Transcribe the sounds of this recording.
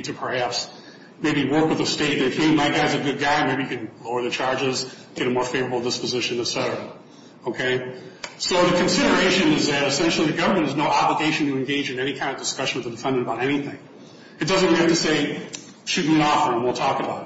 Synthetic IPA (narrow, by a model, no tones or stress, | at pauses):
tʰɨpʰə˞hæps | meɪbiwɜ˞kwəðɨsteɪt̚ðɨ̃fmeɪimaɪɡ̥aɪzɨɡʊd̚ɡaɪmeɪbiɨkʰɨ̃nloʊə˞ðɨt͡ʃʰɑɹd͡ʒɪz | ɡ̥ɛɾɨmɔɹfeɪvə˞əbl̩ˠdɪspɨzɪʃɨ̃n̩ɨsɛɾə | oʊkʰeɪsoʊðɨkʰɨ̃nsɪɾə˞eɪʃɨ̃nɨzðɨɾɨsɛ̃nʃl̩ˠiðɨɡʌvə˞mɨ̃ñtɨznoʊɑbləɡeɪʃɨ̃n̩tʰɨɨ̃nɡeɪd͡ʒɨ̃nɛñikʰãɪ̃ndəvdɨskʌʃɨ̃n̩wðədɨfɛ̃ndɨnbaʊɾɛniθɪ̃ŋ | ɨt̚d̥ʌzɨ̃nɡɛftʰɨseɪ | ʃʉt̚miɨ̃ñɔfə̃mwilˠtʰɔkɨbaʊɾ